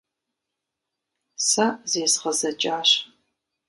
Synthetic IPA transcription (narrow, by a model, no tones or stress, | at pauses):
sɐzeːsʁɐzɐt͡ʃʼaːɕ